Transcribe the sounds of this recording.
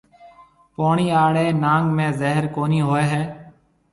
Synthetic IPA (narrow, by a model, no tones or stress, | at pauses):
poːɳiːaːɽeːnaːŋɡmẽːzeːɦəɾkoːniːɦoːeːɦɛː